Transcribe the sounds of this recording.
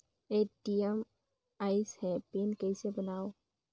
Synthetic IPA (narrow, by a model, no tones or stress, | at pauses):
eʈiem | aːɪshɛpeːnkɛɪsebənaːo